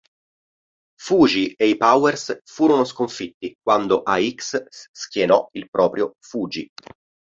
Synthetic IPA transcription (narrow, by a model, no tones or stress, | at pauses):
fuːd͡ʒieipawɛrsfuːɾonoskoɱfit̪ːik̚wand̪oʔaikssk̟jenɔ̰ilpɾɔːpɾjofuːd͡ʒḭ